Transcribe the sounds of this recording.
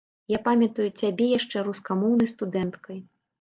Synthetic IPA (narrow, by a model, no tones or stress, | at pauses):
japamʲɐt̪ujut͡sʲabʲɛjaʂt͡ʂɛɾuskamɔwnɐjst̪ud̪ɛnt̪kɐj